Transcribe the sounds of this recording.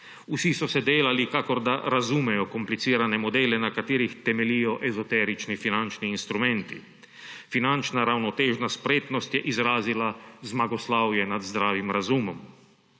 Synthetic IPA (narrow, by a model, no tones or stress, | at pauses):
usisɔsɛd̪eːlalikakɔɾd̪aɾazumɛjɔkɔmplit̪siːɾanɛmɔd̪eːlɛnakat̪iːɾixt̪ɛmɛlijɔʔɛzɔt̪ɛɾit͡ʃnifinant͡ʃniːnst̪ɾumɛnt̪ḭ | finant͡ʃnaɾawnɔt̪eːʒnaspɾeːt̪nɔst̪jɛʔizɾaːzilazmaɡɔslaːwjɛnad̪zd̪ɾaːʋimɾazuːmɔm